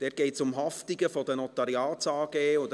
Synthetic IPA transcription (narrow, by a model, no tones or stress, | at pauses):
d̥ɛːt̚ɡ̥eɪtsʊmɦɑftiɡəfɔd̥̪ənɔt̪ɑɾiɑːt͡sɑːɡ̥eːʊd